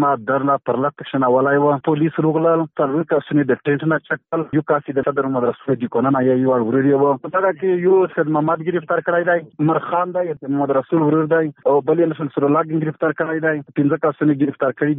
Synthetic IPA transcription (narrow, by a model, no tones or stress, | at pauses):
mad̪əɾnapəɾlat̪ːəkʃənawalajwəpolisɾuɣləlt͡salwikasuned̪əʈeɳʈnat͡ʃak̚əljukasid̪əsad̪əɾmumad̪ɾasuled̪ikonanajajuaɽwuɾuɾjewəəsaɡakejoad̪mamad̪ɡɪɾift̪aɾkəɽajd̪ajməɾxɑːnd̪ajt̪əmamad̪ɾasulwɾuɾd̪ajawbəlenəʃənsuɾolaɡəɡɪɾift̪aɾkəɽajd̪ajpɪnzəkasuneɡɪɾift̪aɾkəɽid̪